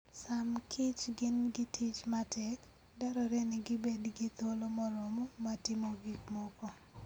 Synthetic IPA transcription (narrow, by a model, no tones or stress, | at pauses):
samkʰɪt͡ʃɡɪnɡɪtʰit͡ʃmatʰɛk | daɾɔɾenɪɡɪbedɡɪt̪olomɔɾɔmomatɪmoɡikmɔkɔ